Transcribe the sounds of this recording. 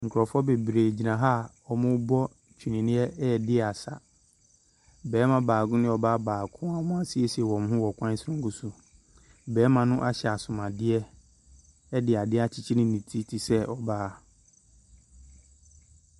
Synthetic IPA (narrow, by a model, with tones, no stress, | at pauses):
ŋ̩˨kʰɾɔ˨fɔ˦be˨bɾeː˨d͡ʑi˨nã˨ɦaː˦˨ | ɔ˨mʊ̃˦bɔ˦ | t͡ɕʰᶣi˨nĩ˨nɪ̃˦ɛ˦˨dɪ˦˨a˨sa˨ | bɛː˨˦mã˨baː˨ɡʊ̃˦nɪ̃˦ɔ˨baː˦baː˨kʰʊ̃˦ã˨˦mʊ̃˦a˦sɪ˦ɛ˦si˨ɛ˨wɔ̃˨m˦ɦʊ̃˦wɔ˨kʷʰã˦sɾʊ̃˦ŋ˦kʊ˦sʊ˨ | bɛː˨˦mã˨nʊ̃˦ʔa˦ɕɛ˨a˨sʊ̃˨mã˨dɪ˦ɛ˦ | ɛ˦dɪ˨a˨dɪ˦a˦t͡ɕʰi˦t͡ɕʰi˦nɪ̃˦nĩ˨tʰi˦tʰi˨sɛ˦ʔɔ˨baː˦